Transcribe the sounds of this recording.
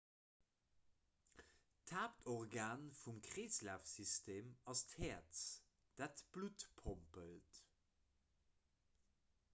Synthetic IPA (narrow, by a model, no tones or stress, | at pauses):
tʰaːptʰɔʁɡaːnfumkʰʁeːslæːfsistʰeːmɑsthɛːɐts | d̥ætb̥lutpʰompəlt